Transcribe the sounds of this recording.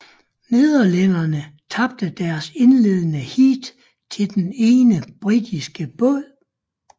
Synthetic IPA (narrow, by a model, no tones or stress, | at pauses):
ne̝ðˠɐlænɐnət͡sʰɑ̈b̥̚d̥əd̥æɐse̝nle̝ðˠnəhḭːd̥ | t͡sʰe̝ld̥ene̝ːnəb̥ʁid̥isɡ̥əb̥ɔl̰